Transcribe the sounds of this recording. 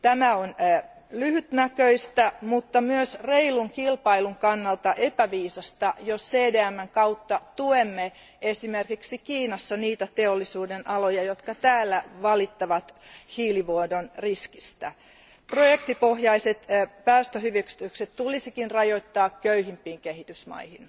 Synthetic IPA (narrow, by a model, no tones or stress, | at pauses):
t̪æmæonː | lyhyt̪nækøist̪æmut̪ːɑmyøsreiluŋkilpɑiluŋkɑnːɑlt̪ɑʔepæʋiːsɑst̪ɑjosseːdeæmːæŋkɑuwt̪ːɑt̪uemːe | esimerkiksikiːnɑsːɑniːt̪æt̪eolːisuːdenʔɑlojɑjot̪kɑt̪æːlːæʋɑlit̪ːɑʋɑt̪hiːliʋodonriskist̪æ | projekt̪ipohjɑiset̪pæːst̪øɦyʋyksi̥t̪ykset̪t̪ulisikinrɑjo̞it̪ːɑːkkøyhimpːˑiːŋkehit̪ysmɑ̰ihin